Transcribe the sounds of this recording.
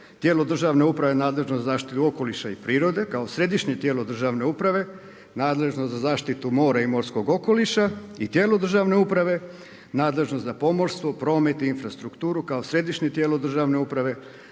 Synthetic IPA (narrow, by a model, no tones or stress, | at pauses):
t̪je̞ːlod̪r̩ʒaʋne̞upɾaʋe̞naːd̪le̞ʒnozazaːʃt̪it̪uo̞ko̞liʃaipɾiːɾo̞d̪e̞kaosɾe̞d̪iʃɲet̪je̞ːlˠod̪r̩ʒaːʋne̞upɾaʋe̞ | naːd̪le̞ʒnoszazaːʃt̪it̪umo̞ːɾaimo̞ɾsko̞ɡo̞ko̞liʃait̪je̞ːlod̪r̩ʒaːʋne̞upɾaʋe̞ | naːd̪le̞ʒnost̪zapo̞mo̞ɾst̪ʋo̞pɾo̞ːme̞t̪iinfɾast̪ɾukt̪uːɾukaosɾe̞d̪iʃɲet̪jeːlod̪r̩ʒaʋne̞upɾaʋe̞